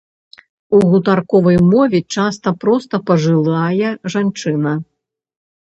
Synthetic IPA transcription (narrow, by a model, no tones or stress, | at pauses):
uɣut̪arkɔvɐjmɔvʲɛt͡ʂast̪ɐpɾɔst̪ɐpɐʐɨlˠajɛʐant͡ʂɨnɐ